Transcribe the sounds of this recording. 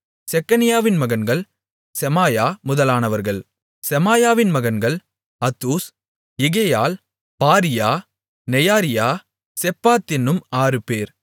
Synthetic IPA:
sɛkːɐnɪjaːʋɪnmɐɣɐnɡɐɭ | sɛmaːjaːmʊðɐlaːnɐʋɐɾɣɐɭ | sɛmaːjaːʋɪnmɐɣɐnɡɐɭ | ɐt̪ːuːs | ɪɣejaːl | paːɾɪjaː | nɛjaːɾɪjaː | sɛpːaːt̪ːɪnːɯmaːrɯpeːɾ

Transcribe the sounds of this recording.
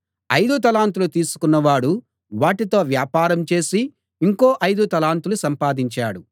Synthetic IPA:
ɐjd̪ut̪ɐlaːnt̪ulut̪iːsu̥kunːɐʋaːɽu | ʋaːʈit̪o̞ːʋjaːpaːɾɐmt͡ʃe̞ːsiː | ŋkoːʔɐjd̪ut̪ɐlaːnt̪ulusɐmpaːd̪iɲt͡ʃaːɽu

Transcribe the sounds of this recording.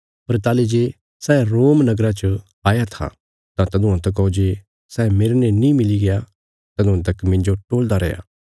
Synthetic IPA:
pɐɾt̪aːled͡ʒeː | sɛːɾoːmnɐɡɾat͡ʃə | aːjat̪ʰa̰ | t̪ãt̪ɐd̪ʊãt̪ɐk̬ɔod͡ʒeː | sɛːmeːɾnẽnĩmɪliɡeja | t̪ɐd̪ãt̪̬ɐkmɪ̃ɲd͡ʒoʈoːld̪aɾɛ̰ja̰ː

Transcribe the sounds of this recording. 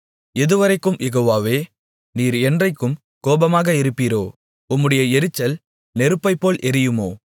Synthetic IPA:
ɛðɯʋɐɾɐɪkːɯmjɛɣoːʋaːʋeː | niːɾɛndrɐɪkːɯm | koːbɐmaːɣɐɪɾɯpːiːɾoː | ʊmːɯɽɐjɐɛɾɯt͡ʃːɐl | nɛɾɯpːɐɪpːoːlʔɛɾɪjɯmoː

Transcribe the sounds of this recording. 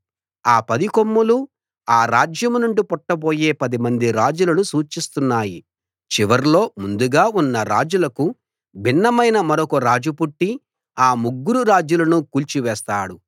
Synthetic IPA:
aːpɐd̪ikomːulu | aːɾaːd͡ʒjɐmunuɳɖipɔʈːɐbo̞ːje̞ːpɐd̪imɐnd̪iɾaːd͡ʒulɐnusuːt͡ʃist̪unːaːji | t͡ʃiʋɐɾlo̞ːmund̪uɡaːunːɐɾa̰ːd͡ʒulɐku | bʱinːɐmɐjnɐmɐɾokoɾaːd͡ʒupuʈːi | aːmuɡːuɾuɾaːd͡ʒulɐnukuːlt͡ʃiʋɛːst̪aːɽu

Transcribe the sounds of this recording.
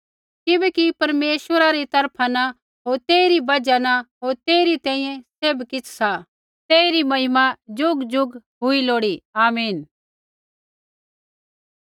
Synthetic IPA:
kɪbɛːkipɐɾmeːʃʋəɾaɾit̪ɐɾpʰana | ɦoːɾt̪eːɾibɐd͡ʒanaɦoːɾt̪eːɾit̪ɛ̃ːĩjẽseːbkɪt͡sʰsa | t̪eːiɾimɐɦɪmad͡ʒʊɡd͡ʒʊɡɦʊiloːɽiaːmiːn

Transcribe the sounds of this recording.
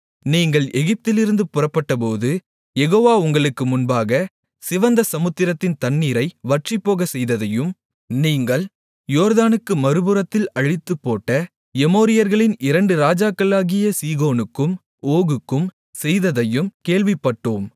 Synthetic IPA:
niːŋɡɐɭɛɣɪp̚t̪ɪlɪɾɯnd̪ɯpʊrɐpːɐʈːɐpoːðɯ | jɛɣoːʋaːʊŋɡɐɭɯkːɯmʊnbaːɣɐ | sɪʋɐnd̪ɐsɐmɯt̪ːɪɾɐt̪ːɪnt̪ɐɳːiːɾɐɪʋɐʈripːoːɣɐsɛjðɐðɐjɯm | niːŋɡɐɭ | joːɾðaːnɯkːɯmɐɾɯbɯɾɐt̪ːɪlɐɻɪt̪ːɯpːoːʈːɐ | ɛmoːɾɪjɐɾɣɐɭɪnɪɾɐɳɖɯɾaːd͡ʒaːkːɐlaːɣɪjɐsiːɣoːnɯkːɯm | oːɣɯkːɯm | sɛjðɐðɐjɯmkeːɭʋɪpːɐʈːoːm

